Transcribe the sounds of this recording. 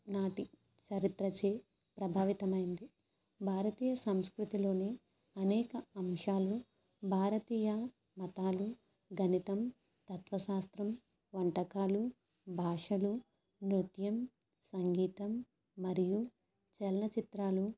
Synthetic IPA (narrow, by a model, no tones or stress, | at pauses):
naːʈi | t͡ʃɐɾit̪ɾɐt͡ʃeː | pɾɐbʱaːʋit̪ɐmɐjind̪i | bʱaːɾɐt̪iːjɐsɐmskɾut̪ilo̞ːni | ɐnɛːkɐɐmʂaːlu | bʱaːɾɐt̪iːjɐ | mɐt̪aːlu | ɡʱɐnit̪ɐm | t̪ɐt̪ʋɐʃaːst̪ɾɐm | ʋɐɳʈɐkaːlu | bʱaːʂɐlu | nɾut̪jɐm | sɐŋɡiːt̪ɐmː | ɐɾiju | t͡ʃɛlɐnɐt͡ʃit̪ɾaːlu